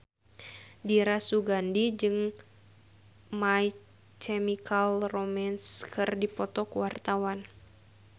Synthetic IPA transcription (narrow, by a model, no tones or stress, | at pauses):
diɾasuɡandid͡ʒɨŋ | mai | kʰɛmikalromɛnskʰɨrdipɔt̪ɔkuwart̪awan